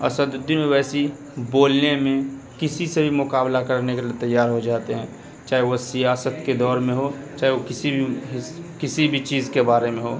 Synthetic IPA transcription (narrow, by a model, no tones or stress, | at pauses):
ɐ̰səd̪d̪ɪneʋɛːsi | boːlnemẽ | kɪsisebʱimʊkaːblakɐɾnekeliet̪ɐjːaːɾɦod͡ʒaːt̪eɦɛ̃ː | t͡ʃaːɦeʋosijaːsət̪ked̪ɔːɾmẽɦo | t͡ʃaːɦeokɪsibʱiɦkɪsibʱit͡ʃiːzkebaːɾemẽɦoː